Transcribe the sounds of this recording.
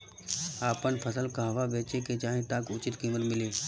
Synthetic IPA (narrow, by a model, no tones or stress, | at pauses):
aːpənpʰəsəlkaɦɐʋaʋeːt͡ʃeket͡ʃaːɦẽt̪aːkʊt͡ʃɪt̪kiːmət̪mɪliː